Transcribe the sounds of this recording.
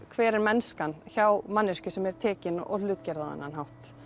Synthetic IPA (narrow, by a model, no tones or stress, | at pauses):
kʰvɛːɾɛɾmɛnskançawmanːɪscʏsɛmɛɾ̥t̪ʰɛːcɪnɔ̰lʏːt̪cɛɾðaða̰nːanɦawht̪